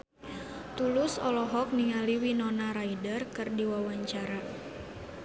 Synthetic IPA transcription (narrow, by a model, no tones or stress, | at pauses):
t̪ulʊsɔ̰lɔɦɔk̚niŋaliwinɔnaɾaidərkɨrdiwawaɲt͡ʃaɾa